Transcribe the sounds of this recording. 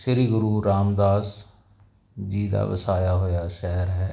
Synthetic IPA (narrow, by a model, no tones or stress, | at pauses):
ʃɪɾiːɡʊɾuːɾaːmd̪aːs | d͡ʒiːd̪a̰ːʋəsaːjaːɦojaːʃɛɦəɾɦɛː